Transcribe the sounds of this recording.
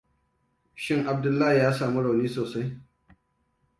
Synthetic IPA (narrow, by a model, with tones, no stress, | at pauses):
ʃɪ˦ŋʔa˨b̚dʊ˦lːaː˦hi˨jaː˦saː˨mu˦ɽa˨wniː˦soː˨sa˦j